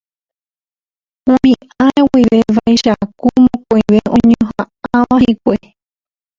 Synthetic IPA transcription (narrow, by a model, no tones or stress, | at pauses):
umĩaewiʋeʋajʃakumõkʷojʋeʔõɲõɦa | aaʋãhikʷe